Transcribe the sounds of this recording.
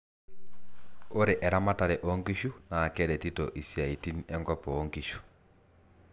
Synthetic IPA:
o˦ɾe˨ʔɛ˨ɾa˦ma˦ta˨ɾɛ˨ʔɔ˦ŋɡi˦ʃu˦naː˨kɛ˦ɾɛ˨ti˦tɔ˨ʔi˨sja˨i˨ti˦niɛ˦ŋɡɔ˦pɔː˨˦ŋɡi˨ʃu̥˨

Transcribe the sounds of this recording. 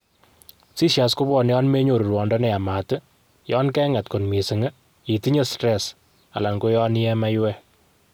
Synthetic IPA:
si˦ʃja˨sko˦bɔ˨njɔ˦nme˦ɲo˨ɾu˨rwɔ˨ndɔ˦nɛ˨a˨ma˨tɨ˦ | jɔ˦nkɛ˦ŋa˨tko˨nmi˨sɨ˨ŋə˦ | i˨ti˦ɲe˦stɾɛs | a̰˨la˨ŋɡo˦jɔ˦ni˦ɛ˦ma˦jwɛ˦

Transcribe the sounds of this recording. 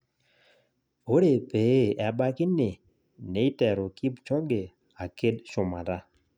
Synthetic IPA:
o˦ɾe˨pe˨˦ɛ˨ba˦kɪ˦nɪ˨ | ne˨˦i˦tɛ˨ɾo˨ki˦bt͡ʃɔ˦ŋɡe˨ | a˨ke˦dʃʊ˨ma˨da˦

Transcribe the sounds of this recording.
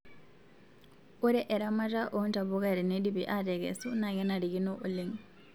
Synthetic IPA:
u˦ɾɛ˦ʔɛ˨ɾa˦ma˦ta˦ʔonta˨βuka˦ɾɛ˨nedi˦pi˨ʔatɛ˨kɛ̰˨su˦na˨kɛ˦na˨ɾi˨ki˦noʔu˨leŋ

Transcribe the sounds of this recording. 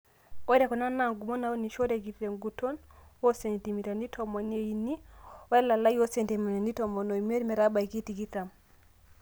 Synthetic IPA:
ɔ˦ɛ˦ɾɛ˨kɔ˨na˦na˨ŋɡu˨mɔ˦na˨˦o˦ni˨ʃɔ˦ɾɛ˨k̬i˨θɾɛ˨ŋɡu˨tɔ˦n | wo˦sɛ˨nti˨mi˨ta˨ndi˦tʰɔ˨mɔ˨ne˨ji˨ni˦ɔ˦ɛ˦la˨la˦jo˦sɛ˨nti˨mi˨na˨ndi˦tɔ˨mɔ˨no˨m˦e˦ɾi˦mɛ˨ɾa˦ba˨i˨ki˦ti˨ki˦ta˨m

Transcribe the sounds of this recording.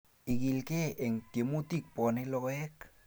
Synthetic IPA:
i˨ɡi˨lke˦e˨ŋke˨mu˦t̪ik̚po˨ne˦loɣek

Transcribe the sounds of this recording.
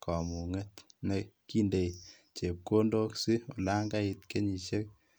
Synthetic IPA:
kʰɔ˨mu˨ŋe˦tneki˦nde˨j | t͡ʃe˨p̚ko˦ndo˦ksi˦ɔ˨la˦ŋɡa˦i˨tke˦ɲi˨ʃe˦k̚

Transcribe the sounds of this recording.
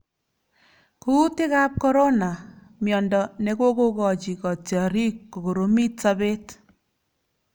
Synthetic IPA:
ku˦tɪ˦ka˦p̚kɔ˦ɾo˦na˨ | mjɔ˨ndɔ˨ne˦ko˦ko˦kɔ˨t͡ʃi˨kɔ˨tjɔ˨ɾi˦kːo˨ko˨ɾo˦mi˦tsa˦be˦t

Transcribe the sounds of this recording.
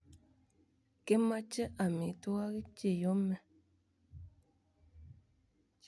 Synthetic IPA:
ke˦ma˦t͡ʃə˦ʔa˨mi˨tu˦a˦ɣi˦t͡ʃe˦˨jo˦mɛ˨

